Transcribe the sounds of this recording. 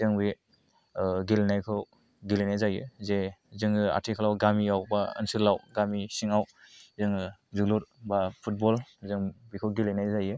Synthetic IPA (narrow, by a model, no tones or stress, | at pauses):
zɯŋbi | ɡilenajkʰɯw | ɡilejnajzajɯzezɯŋa̰tʰikʰalawɡamiawbaɯ̰nsɯlawɡamisiŋawzɯŋzulɔɾbapʰut̚bɔlzɯŋbikʰɯwɡilejnajzajɯ